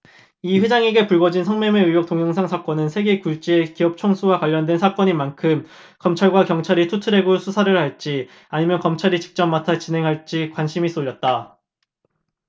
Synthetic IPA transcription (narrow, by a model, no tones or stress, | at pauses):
iɸed͡ʑaŋeɡe̞puɭɡʌd͡ʑinsʰʌŋmemeɥijok̚t͈oŋjʌŋsʰaŋsʰak͈ʌnɯnsʰe̞ɡe̞kuɭt͡ɕ͈ie̞kiʌp̚t͡ɕʰoŋsʰuwakwaʎːʌndwe̞nsʰak͈ʌɲimankʰɯm | kʌmt͡ɕʰaɭɡwakjʌŋt͡ɕʰaɾitʰutʰɯɾe̞ɡosʰusʰaɾɯɭhaɭt͡ɕ͈i | aɲimjʌnkʌmt͡ɕʰaɾit͡ɕi̥k̚t͡ɕ͈ʌmːatʰat͡ɕinɦe̞ŋɦaɭt͡ɕ͈ikwanɕʰimis͈oʎːʌt̚t͈a